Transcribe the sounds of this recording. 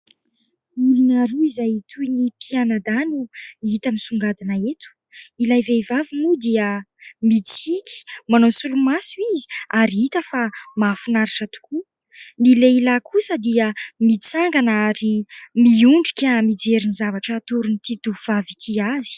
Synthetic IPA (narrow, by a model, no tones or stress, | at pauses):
milinaɾuizajit̪ʰujnipianad̪anuit̪əmisuŋɡad̪anaet̪u̥ | ilajvevavimud̪iəmit͡sikʲi̥manosulumasuizi̥aɾiit̪əfamafunaɾiʈ͡ʂət̪u̥ku | nileilakusəd̪iəmit͡saŋɡanaɾimiuɳɖ͡ʐikʲamid͡zeɾinizavaʈ͡ʂət̪uɾunit̪id̪uvavit̪ʰiazi̥